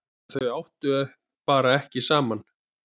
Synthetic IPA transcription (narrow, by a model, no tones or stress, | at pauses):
θœawht̪ʏɛ | paːɾaɛhcɪsaːman